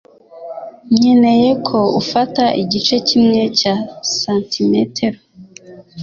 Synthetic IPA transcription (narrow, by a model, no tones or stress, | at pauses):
ɲɲene̞je̞kʰo̞ufataʔiɟit͡ʃe̞cimŋe̞casaːntimetʰeɾo